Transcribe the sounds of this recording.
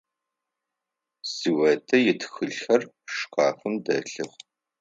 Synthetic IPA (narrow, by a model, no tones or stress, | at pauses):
z̥iwɐtʰɐjɪtʰxɨɮxɐr | ʂqɑːxʷʊmdɐɬɨχʷ